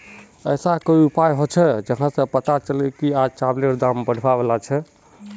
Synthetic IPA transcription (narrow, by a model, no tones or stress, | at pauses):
əsakoiupajɦot͡ʃʰɛd͡ʒəɦnasə̃pət̪at͡ʃəlɛkiad͡ʒt͡ʃableɾd̪ambəɽ̤ʱbabelat͡ʃʰɛ